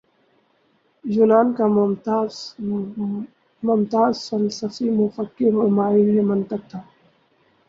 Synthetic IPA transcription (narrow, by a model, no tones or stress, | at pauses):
d͡ʒʊnaːnka | mʊmt̪aːzsɐlsɐsimʊfəkːɪɾmemaːɪlɦemɐnt̪əq̚t̪ʰaː